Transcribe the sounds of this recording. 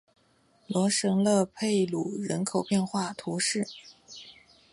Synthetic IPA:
lwɔ˧˥ʂɤ˧˥ŋlɤ˥˧pʰe˥˩ɪlu˨˩ɻə˧˥nkʰo˨˩ʊpjɛ˥˧nxwa˥˩t̪ʰu˧˥ʂɻ̩˥˩

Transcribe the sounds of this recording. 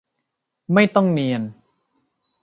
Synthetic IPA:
ma˥˩jt̪ɔ˥˩ŋni˧ən

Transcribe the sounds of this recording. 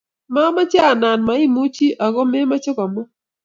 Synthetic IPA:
ma˦ma˦t͡ʃa˦˨na˨nma˨ɪ˦mu˦t͡ʃi˦ʔa˨ɡɔ˦me˦ma˦t͡ʃɔ˦kɔ˨mɔ˦

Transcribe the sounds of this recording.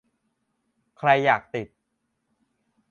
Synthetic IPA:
kʰɾa˧jːaː˨˩k̚t̪i˨˩t̪̚

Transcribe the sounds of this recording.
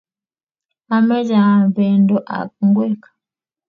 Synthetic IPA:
a˨mɛ˦d͡ʒa˨bɛ˨ndɔ˦ʔa̰˨k̚u˨ŋɡwɛ˦˨kḁ˨

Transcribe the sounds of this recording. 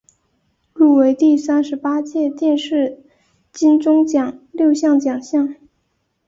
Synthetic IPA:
lu˥˩we˧˥ɪt̪i˥˩sa˥nʂɻ̩˧˥pa˥t͡ɕjɛ˥˧t̪jɛ˥˧nʂɻ̩˥˩ | t͡ɕi˥nʈ͡ʂʊ˥ŋt͡ɕjɑ˨˩ŋljo˥˧ʊɕjɑ˥˩ŋt͡ɕjɑ˨˩ŋɕjɑ˥˩ŋ

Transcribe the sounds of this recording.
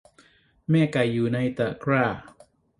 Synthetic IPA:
mɛː˥˩ka˨˩jːuː˨˩na˧jt̪a˨˩kʰɾaː˥˩

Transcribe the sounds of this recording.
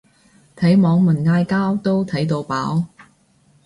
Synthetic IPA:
t̪ʰɐ˨˥jmɔː˨˧ŋmɐ˨˩nŋaː˧jkaː˥wt̪o˥wt̪ʰɐ˨˥jt̪o˧wpaː˨˥w

